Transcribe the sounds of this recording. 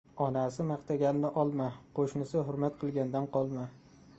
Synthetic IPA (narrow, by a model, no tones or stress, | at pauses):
ɒnasɪmɑqt̪ʰaɡʲanɪnɪʔɒlˠmaqʰoʃnɪsɪɦʊɾmat̪̚qʰɨlˠɡʲand̪anqʰɒlˠma